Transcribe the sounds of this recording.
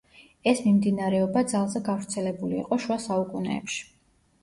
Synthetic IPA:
ɛsmimd̪inaɾɛɔbad̪zalˠzɛɡavɾt̪sʰɛlɛbulḭːqʼɔʃuasaukʼunɛ̰ːpʃi̥

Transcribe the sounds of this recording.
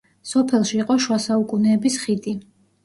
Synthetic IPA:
sɔpʰɛlˠʃiːqʼɔʃwasaukʼunɛːbisχid̪i

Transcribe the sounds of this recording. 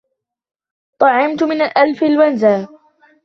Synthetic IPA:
t̪ˤɑʕɪmt̪ʊmɪnalʔalfalwanzaː

